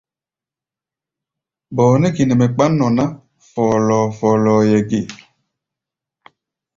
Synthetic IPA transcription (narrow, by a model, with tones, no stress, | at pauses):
bɔː˨nɛ˦ki˨nɛ˨mɛ˨k͡pa˦nːɔ˨na˦ | fɔ˨lɔː˨fɔː˨lɔː˨jɛ˨ɡi˨